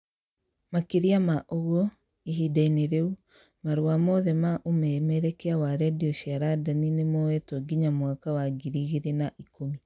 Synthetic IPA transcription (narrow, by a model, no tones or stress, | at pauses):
makeɾiamaʔoɣwɔ | iɦidaineɾeu | maɾowamɔðɛmaʔomɛmɛɾɛkɛawaɾɛdiɔʃiaɾadaninemɔwɛtɔɡiɲamwakawaɡiɾiɣiɾenaʔikomi